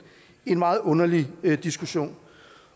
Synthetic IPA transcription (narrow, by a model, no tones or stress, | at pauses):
e̝nmɑ̈ːð̩ˠɔ̽nɐlid̥isɡ̥uɕo̝̰ːn